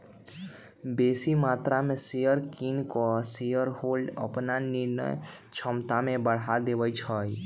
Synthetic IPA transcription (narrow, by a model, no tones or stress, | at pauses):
besimat̪ɾamesejəɾkinkɔsejəɾholə̰pnaniɾnə̰j | t͡ʃʰəmt̪amebəɽ̤ad̪ebəjt͡ʃʰəj